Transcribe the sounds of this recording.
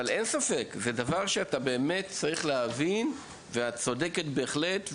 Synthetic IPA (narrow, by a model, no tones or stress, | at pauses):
ale̞nsafe̞kzedavaʁʃeatabe̞ːme̞tt͡saʁiχleɦavin | veat͡so̞deketbe̞ːχle̞tv